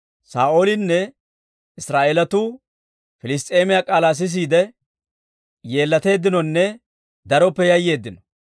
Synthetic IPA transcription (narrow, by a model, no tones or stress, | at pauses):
saːʔo̞ːlɪnːɛ | ɪsɾaːʔeːlɐt̪uː | fɪlɪs̬t̪ʼe̞ːmɪjakʼaːlaːs̬ɪs̬iːd̪ɛ | je̞ːlːɐt̪e̞ːd̪ːɪnɔnːɛ | d̪ɐɾɔpːɛjɐjːe̞ːd̪ːɪnɔ